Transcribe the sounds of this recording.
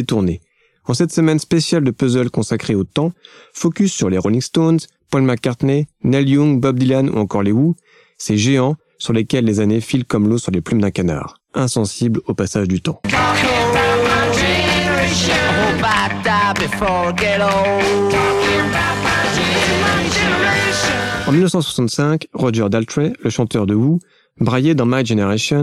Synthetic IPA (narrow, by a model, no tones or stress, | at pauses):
d̪et̪uʁne | ɑ̃sɛt̪səmɛnspesjald̪əpøzœlkɔ̃sakχeot̪ɑ̃fɔkʲysːyʁleʁolĩɡst̪onz | pɔlmakːaʁt̪nenɛljũŋbɔb̚d̪ilanṵɑ̃kɔʁleu | seʒeɑ̃ | syʁlekʲɛlːezanefilkɔmlosyʁleplymd̪ɛ̃kana̰ʁ | ɛ̃sɑ̃siblopasaʒd̪yt̪ɑ̃ | əẽobadabifɔɡɛɾo | ɑ̃milnəfsɑ̃swḁsɑ̃t̪sɛ̃kʁɔʒɛʁd̪alt̪χeləʃɑ̃t̪œʁd̪əwu | bʁajed̪ɑ̃majʒeneʁeʃɔn